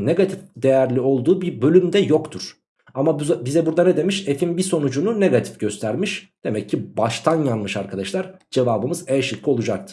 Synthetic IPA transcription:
ne̞ɡat̪ʰifd̪ejæɾlʲio̞lˠd̪uːbiɾbø̞lʲymd̪ɛjo̞kt̪ʰuɾ̥ | amabuzbizɛbuɾd̪anɛd̪e̞miʃe̞finbiso̞nud͡ʒunune̞ɡat̪ʰi̥fɟø̞st̪ʰæɾmiʃd̪̥e̞mɛcʰːibaʃt̪ʰanjanmɯʃaɾkʰad̪aʃlˠaɾ | d͡ʒe̞vaːbɯmɯzɛʃikʰːio̞lˠud͡ʒak̚t̪ʰɯ̥

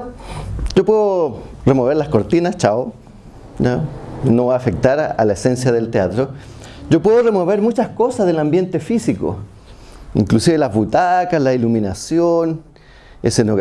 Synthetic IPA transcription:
d͡ʒopweðoremoβe̞ɾlasko̞ɾt̪inast͡ʃao | anoβaaːfek̚t̪aɾa̰laesensjaðelt̪eat̪ɾo | d͡ʒopweðoremo̞βe̞ɾmut͡ʃaskosazðelambje̞nt̪efisiko̰ | ḭŋklusiβelazβut̪akaslailuminasjon | esenoɣ

